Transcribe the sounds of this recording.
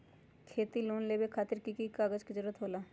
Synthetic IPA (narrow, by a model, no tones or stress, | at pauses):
kʰeːt̪iloːnleːbekʰaːt̪ɪɾkikikaːɡəd͡ʒkid͡ʒəɾuːət̪ɦoːlaː